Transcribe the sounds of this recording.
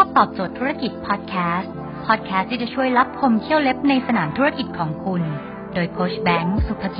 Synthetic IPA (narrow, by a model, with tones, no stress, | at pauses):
pʰɔː˥˩t̪ɔː˨˩p̚t͡ɕoː˨˩t̪ʰːuː˦˥ɾa˥˧ki˨˩t̪̚pʰɔː˦˥t̪̚kʰɛː˦˥st̪ | pʰɔː˦˥˩t̪̚kʰɛː˦˥st̪ʰiː˥t͡ɕa˨˩t͡ɕʰu˥˩əjla˦˥p̚kʰo˧mkʰi˥˩əwle˦˥p̚na˧jsa˧naː˩˦mt̪ʰu˦˥ɾa˥˧ki˨˩t̪̚kʰɔː˩˦ŋkʰu˧n | doː˧jkʰoː˦˥sbɛː˦˥ŋ˥˩su˨˩k̪ʰːa˧ki˨˩